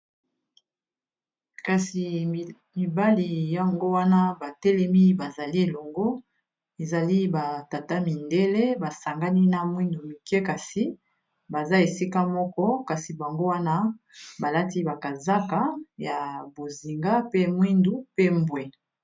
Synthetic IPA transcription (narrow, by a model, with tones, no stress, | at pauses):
ka˨si˨ | mi˨ba˦li˨ja˨ŋɡo˦wa˦na˦ba˨tɛ˦lɛ˦mi˦ba˨za˨li˦e˨lɔ˨ŋɡo˦ | e˨za˨li˦ba˨ta˨ta˦mi˨nde˦le˦ba˨sa˨ŋɡa˦ni˦na˨mwi˦ndu˨mi˨kɛ˦ka˨si˨ | ba˨za˦e˨si˦ka˦mɔ˦kɔ˦ka˨si˨ba˨ŋɡo˦wa˦na˦ | ba˨la˦ti˦ba˨ka˨za˦ka˨˦ja˨bo˨zi˨ŋɡa˦pe˦mwi˦ndu˦pe˦mbwe˨